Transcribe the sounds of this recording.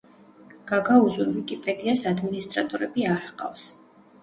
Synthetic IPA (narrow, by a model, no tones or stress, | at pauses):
ɡ̥aɡauzuɾvikʼipʼɛd̪iasad̪minist̪ʼɾat̪ʼɔɾɛbiaɾhqʼa̰fs